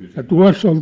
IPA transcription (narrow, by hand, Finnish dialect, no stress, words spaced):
jɑ tuɑ̝sː on